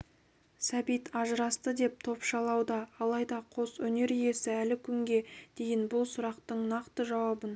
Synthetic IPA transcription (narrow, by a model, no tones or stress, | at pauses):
sæbijt̪ʰɑʒəɾɑst̪əd̪e̞p̚t̪ʰo̞pʃɑlˠɑwd̪ɑːlˠɑjd̪ɑqʰo̞sɵne̞ɾije̞sɪælɪkʲʰʏŋɡʲe̞d̪̥e̞jɪnbʊlˠsʊɾɑqt̪əɴnɑqt̪əʒɑwɑbən